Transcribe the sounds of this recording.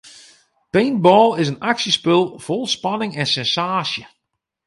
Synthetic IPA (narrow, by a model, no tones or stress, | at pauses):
penbɔːlˠɪzənaksjəspɪlˠv̥ʊlˠspɑnɪŋɛnsɛnsaːsjə